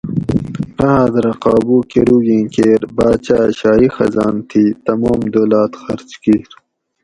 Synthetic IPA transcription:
nɐɦaːd̪ɾɐqɑːbukeɾuːɡĩːkeːɾbaːt͡ɕaːɕaːixɐ̰zɑːnt̪ʰiːt̪ɐmoːmd̪oːlɑːt̪xɐɾt͡ɕkiːɾ

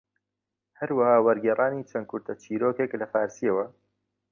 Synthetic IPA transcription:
hɐɾwɐhaːwɐɾɡɛːrˤʔaːniːt͡ʃʰɐnkʰʊɾt̪ʰɐt͡ʃʰiːɾoːkeːklɐfaːɾsijɐwɐ

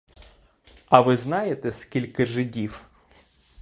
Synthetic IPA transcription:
ɐʋɪznɑjet̪ɛskʲilʲkɪʒɪdʲiw

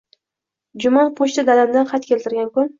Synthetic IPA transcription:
d͡ʒʊmanpʰoʃt̪ɪd̪alamd̪anqʰɑt̪̚kʲelʲt̪ɪɾɡʲankʊn

